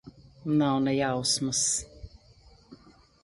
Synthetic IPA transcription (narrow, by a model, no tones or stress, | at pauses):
nawnɛjawsməs